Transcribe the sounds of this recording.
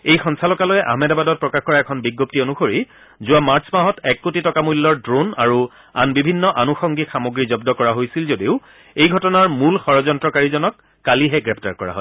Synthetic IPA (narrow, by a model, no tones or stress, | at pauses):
ejxʰɔŋsalɔkalɔjɛʔa̰ɦmɛdabadɔt̚pɹɔkaxkɔɹaɛkʰɔnbiɡːoptionuxoɹi | zʊwamaɹsʰmaɦɔtɛkːotitɔkamulːɔɹdɹonaɹu | a̰nbibʱinːɔʔanuxɔŋɡixamoɡɹizɔbdɔkɔɹaɦojsilzodiʊ | ejɡʱɔtɔnaɹmulxɔɹɔzɔntɹɔkaɹizɔnɔkː | aliɦɛɡɹɛpʰtaɹkɔɹa̰ɦɔ̰j